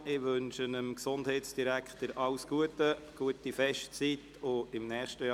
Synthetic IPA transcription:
ɪʋɵnʃənəmksʊnd̥hɛɪtsd̥iɾækχtəɾʔɑʊsɡ̥uətəɡ̥uətifɛʃtt͡sit | ʊɪmnɛːχʃtəj

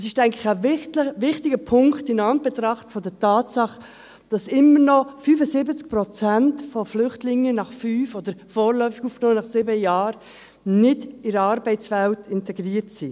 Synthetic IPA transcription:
ɛsɪʃtæɪŋklɪxævɪtəvɪχtɪɡəpʰʊŋktɪnɑn̚b̥ɛt̪ɾɑχtfɔdɛtɑːtsɑχ | d̥ɑsɪmːəɾnɔfyːfəsɪbət͡sk̚pɾɔt͡sæntfɔflʏχtlɪŋːənɑχfyːfɔd̥əɾfoːɾlœʏfɪɡufnoːnɑχsɪbəjɑːɾ | nɪdɪɾəɑɾbɛɪt͡svæltʰɪntɛɡɾiːəɾtsi

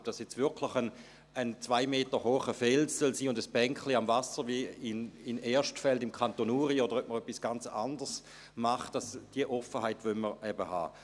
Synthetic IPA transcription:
d̥asjɛt͡stvɪɐkʰlɪχən | ənt͡svaɪmeːtəhoːχəfɛlsœlsiːʊndəsb̥ɛŋkχliamvasəʁviɪnɪnɛːɐʃtfɛltɪmkʰantonuːʁiodəʁœp̚məʁœpːisɡ̥ant͡sa̰ndəs | maχtdasd̥iəʔɔfəhaɪtvølməʁɛbəha̰ː

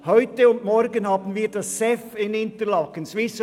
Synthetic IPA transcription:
hœʏtəʊntmɔɾɡənhɑːbənviːɾdɑsːɛfɪnɪntəlɑkənsvɪsə

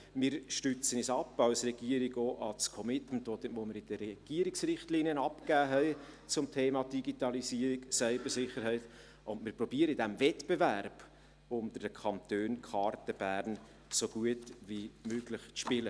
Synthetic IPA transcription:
mɪɾʃtøt͡sənisɑpːɑwsrɛɡiəɾiɡoːʔɑskʰɔmɪtməntovomɪɾɪd̥əɾɛɡ̥iəɾɪksɾɪχtliniənɑpkæːɦɛɪt͡sʊmtʰeːmɑdiɡitɑlisiəɾiɡsæɪbəɾsɪχəɾɦɛɪt | ʊndmɪːɾpɾɔbiəɾəidæmvɛtb̥evæɾb̥ | ʊnt̪əɾd̥əkʰɑnt̪øːnkʰɑɾtəb̥æːɾn | soɡ̥uətʋimøɡlɪχt͡sʃpɪlə

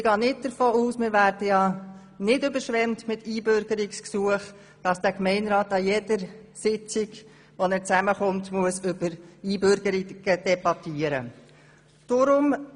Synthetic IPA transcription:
ɪɡ̥ɑːnɪt̚d̥əɾfoːuːsmɪɾʋæɾd̥əjɑ | nɪdʏbəɾʃʋɛmtmɪtiːbʏɾɡəɾɪksksuəχ | d̥ɑsd̥ækmɛɪnɾɑːtɑjɛdəɾsɪt͡sɪɡ | ʋɔnɛːɾt͡sæməχʊmtmuəsʏbəɾiːbøɾɡ̥əɾɪɡ̥əd̥ɛbɑtiəɾə̰ | d̥ʊɾʊm

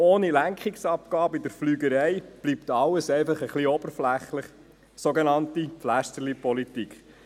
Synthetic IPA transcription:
oːnilæŋkχɪksɑp̚kɑːbəid̥əɾflyːɡəɾɛɪb̥lipt̪ɑlːəsɛɪfɑχəχliɔb̥əɾflæχləχ | soɡenɑntiflæʃtəɾlipɔlit̪ikχ

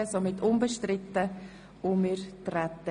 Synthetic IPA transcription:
əsomɪtʰʊnbəʃtɾɪtːə | ʊmɪɾtrɛtːə

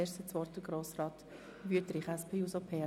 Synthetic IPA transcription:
eːʃstət͡sʋɔɾtəɡɾoːsrɑːt | ʋyətɾiχæspʰeːusopʰeː

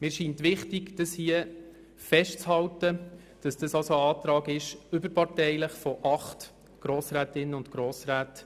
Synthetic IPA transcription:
mɪːɾʃiːntʋɪχtɪɡd̥əshiə | fɛʃt͡shɑltə | d̥ɑsd̥ɑsɑlsoɑːtɾɑːɡɪʃʏbəɾpɑrtɛɪləχfɔʔɑχt | ɡ̥ɾoːsɾæːtɪnəʊntɡ̥ɾoːsɾæːt

